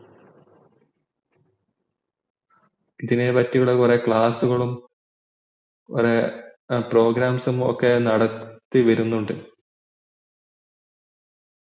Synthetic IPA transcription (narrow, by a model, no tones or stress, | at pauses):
iðinepɐtːiɣɐɭekure̞kɭaːsuɣɐɭum | ure̞pro̞ːɡɾaːmsumo̰kːe̞nɐɽɐt̪ːiʋɐɾunːuɳɖɨ